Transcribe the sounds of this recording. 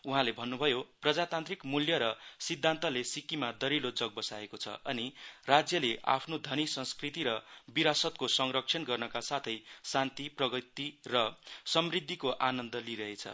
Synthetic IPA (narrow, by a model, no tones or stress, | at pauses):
uɦãlebʱʌnːubʱʌjoprʌd͡zat̪ant̪rikmuljʌɾʌsid̪ʱːant̪ʌlesikimad̪ʌɾilod͡zʌɡ̚bʌsaekot͡sʰʌ̰ʌnirad͡zjʌleʔa̰pʰnod̪ʱʌnisʌ̃skrit̪iɾʌbiɾasʌt̪̚kosʌŋrʌkt͡sʰʌnɡʌrnʌkasat̪ʰʌjsant̪iprʌɡʌt̪irʌsʌmrid̪ʱːikoʔanʌnd̪ʌliɾʌɦet͡sʰʌ̰